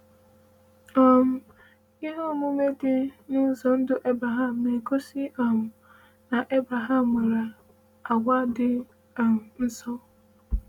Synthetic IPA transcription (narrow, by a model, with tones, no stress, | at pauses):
ɔ˦m̩˦ | i˦ɦo˦˨mʊ˦me˦dɪ˦nɪ˦n̩˦zɔ˨n̩˦dʊ˦ʔe˦bɾa˨ɦa˦˨m̩˨me˨ko˦si˦ɔ˨mʊ˨ | na˨ʔe˦bɾa˨ɦa˦˨mːe˨ɾa˨ | a˨ɡʷa˦dɪ˦ | a˨n̩˦zɔ˦